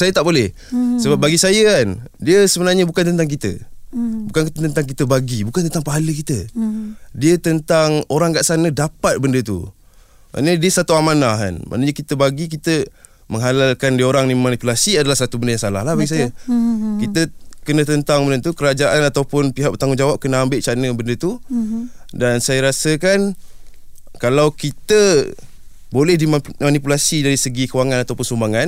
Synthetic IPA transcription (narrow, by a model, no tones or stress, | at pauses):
sajət̪aʔbolɛh | səbap̚baɡisajəkandiəsəbənarɲəbukant̪ənt̪aŋk̬it̪ə̰bukankit̪ət̪ənt̪aŋk̬it̪əbaɡibukant̪ənt̪aŋpaɦaləkit̪ə | diət̪ənt̪aŋoɾaŋɡaʔsanədapat̪̚bəndət̪ṵ | ma̰ʔnədiəsat̪uamanaka̰nma̰ʔnəɲəkit̪əbaɡik̬it̪ə | məŋɦalalkandioɾaŋnimanipulasiadalahsat̪ubəndəjaŋsalahlahbaɡis̬ajəkit̪əkənə̃t̪ənt̪aŋbənənt̪ukəɾad͡ʒaʔanat̪awpʊnpiɦaʔ̚bət̪aŋʊŋd͡ʒawap̚kənəambɪʔt͡ʃanəbəndət̪u | dansajaɾasəkan | kalawkit̪ə | bolɛhdimmanipulasidaɾisəɡikəwaŋanat̪awpʊnsumbaŋan